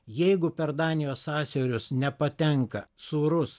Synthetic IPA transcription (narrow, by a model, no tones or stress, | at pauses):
jɛɪɡʊpʲɛɾd̪ɑːnʲɪjoːsɑːsʲoːɾʲʊsnʲɛpɐt̪ʲɛŋkɐsuːɾʊs